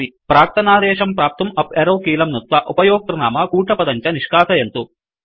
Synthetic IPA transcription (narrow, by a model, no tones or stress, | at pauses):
ipɾaːk̚t̪ɐnaːd̪ɛːʂɐmpɾaːp̚t̪ɐmɐpeɾɐːkiːlɐmnut̪ʋɐʔupɐjɔːk̚t̪ɾɐnaːmɐkuːʈɐpɐd̪ɐɲt͡ʃɐniʂkaːsɐjent̪u